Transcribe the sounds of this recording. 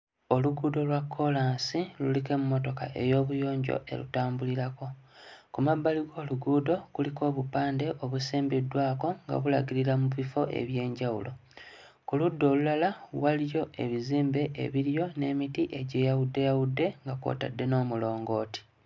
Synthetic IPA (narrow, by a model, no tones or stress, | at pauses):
o̞luɡuːdo̞lwakʰːo̞laːnsilulike̞mumːo̞to̞ka̰ʔe̞̰jo̞ːβujo̞ːɲɟo̰ʔe̞̰lṵtaːmbuliɾako̞kumabːaliɡo̞ːluɡuːdo̞kuliko̞ːβupaːnde̞ʔo̞βusiːmbidːwaːko̞ŋɡa̰βulaɡiɾiɾamuβifo̞ʔe̞̰βje̞ːɲɟawulo̞ | kuludːo̞ːlulalawalijo̞ʔe̞̰βiziːmbe̞ʔḛβiɾjo̞ne̞ːmitiʔe̞ɟe̞ːjawudːe̞jawudːe̞ŋɡakwo̰ːta̰dːe̞no̞ːmulo̞ːŋɡo̞ːti̥